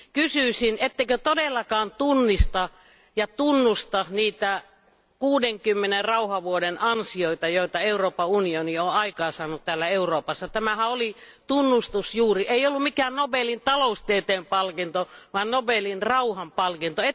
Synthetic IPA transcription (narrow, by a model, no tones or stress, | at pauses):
kysyˑsinet̪ːeikøt̪odelːɑkɑːnt̪unːist̪ɑ | jɑt̪unːust̪ɑniːt̪æ | kuːdeŋkymːenerrɑuhɑʋuodenʔɑnsioit̪ɑjoit̪ɑeuroːpɑunionioɑikɑːsɑːnut̪t̪æːlːæeuroːpɑsːɑt̪æmæhæoli | t̪unːust̪usjuːriʔeiolːummikæːnnobelint̪ɑloust̪et̪eːmpɑlkint̪oʋɑnnobelinrɑuhɑmpɑlkint̪oe